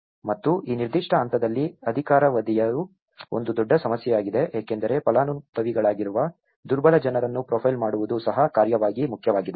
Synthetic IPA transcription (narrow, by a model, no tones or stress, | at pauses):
mɐt̪ːuʔiːniɾd̪iʂʈɐːnt̪ɐd̪ɐlːiɐd̪ʱikaːɾɐʋɐd̪ijɐɾu | o̞̰nd̪ud̪ɔɖːɐsɐmɐsjɛjaːɡid̪e̞ʔeːkend̪ɐɾe̞pɐlaːnut̪ːɐʋiɡɐɭaːɡiɾuʋɐ | d̪uɾbɐlɐd͡ʒɐnɐɾɐnːupɾoːpʰɐjlmaːɽuʋud̪usɐɦɐkaːɾjɐʋaːɡimukʰjɐʋaːɡid̪e